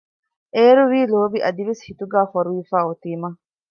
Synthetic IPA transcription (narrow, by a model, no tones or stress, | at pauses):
ʔeːɾuʋiːloːbiʔɐd̪iʋeshit̪uɡaːfɐɾuʋifaːot̪iːmɐ